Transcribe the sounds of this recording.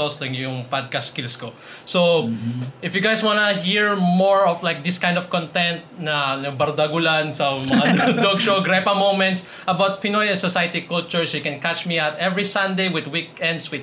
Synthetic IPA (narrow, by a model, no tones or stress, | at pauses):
oslɐŋjʊŋpad̪̚kaskilsko | so | ʔɪfjʊɡajswanɐhiɹmɔɹɔflajk̚d̪ɪskãj̃nd̪ɔv̥kɔ̃nt̪ɛnt̪̚nɐnɐbɐɾd̪ɐɡʊlansɐmɐŋad̪oɡʃoɡɾɛpɐmowmɛ̃nt̪s | ʔɐbawt̪̚pɪnojɛ̃nsɔsajt̪ikult͡ʃʊɹsjʊkɛ̃nkat͡ʃmiat̪ɛvɹisɐ̃nd̪ejwɪd̪wikɛ̃nd̪swɪd̪